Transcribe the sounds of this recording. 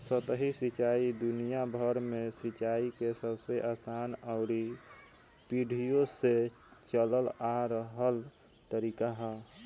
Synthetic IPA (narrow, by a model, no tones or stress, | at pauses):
sət̪ɦisit͡ʃaid̪unijabʱəɾmesit͡ʃaikesəbseʔaːsaːnəʊɾi | piɖʱijose | t͡ʃələlaɾəɦəl | t̪əɾiːkaɦɛ